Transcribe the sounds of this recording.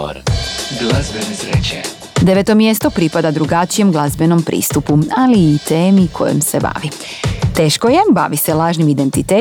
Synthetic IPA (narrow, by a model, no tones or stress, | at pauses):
o̰ɾɡlazbenesɾḛt͡ɕe | d̪e̞ʋet̪o̞mje̞st̪o̞pɾipad̪ad̪ɾuɡat͡ʃije̞mɡlˠazbe̞no̞mpɾʔḭːst̪upualiːt̪eːmikʰo̞̰jḛmse̞ba̰ʋi | t̪e̞ːʃkoje̞ba̰ʋise̞laːʒnimid̪e̞nt̪it̪eː